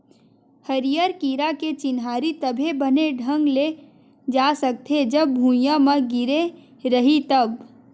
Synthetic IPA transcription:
həɾijəɾkiːɾaket͡ʃɪnɦaːɾit̪əbʱebɐneɖʱə̃ŋɡle | d͡ʒaːsək̚t̪ʰed͡ʒɐbːʱũjaməɡɪɾe | ɾɐɦit̪ɐb

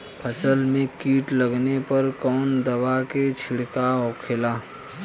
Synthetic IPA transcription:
pʰəsəlmẽkiːʈləɡnepɐɾkɔːnd̪ɐʋaket͡ʃʰɪɽkaɔːkʰelaː

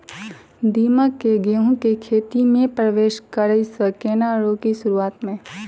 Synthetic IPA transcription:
d̪iːməkːeɡeɦũkekʰeːt̪imẽpɾəʋeːʃkəɾəisəkeːnaːɽõːkiʃʊɾuaːt̪mẽ

